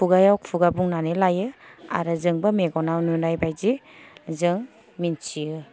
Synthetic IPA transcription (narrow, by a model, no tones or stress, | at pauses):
uɡajawkpʰuɡabuŋnanelajɯa̰ɾɯzɯŋbameɡɔnawnunajbajzi | zɯŋ | mint͡ʃiɯ